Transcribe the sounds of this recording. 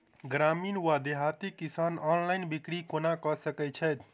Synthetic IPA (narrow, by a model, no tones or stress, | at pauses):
ɡɾaminwad̪eɦat̪ikisanɔnlainbikɽikonakɔsəkɛt͡ʃʰɛjt̪ʰ